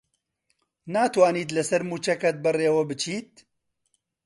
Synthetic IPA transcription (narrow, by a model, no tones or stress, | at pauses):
naːt̪waːniːt̪lɐsɐɾmuːt͡ʃɐkɐt̪̚bɐreːwɐbɨt͡ʃʰiːt̪̚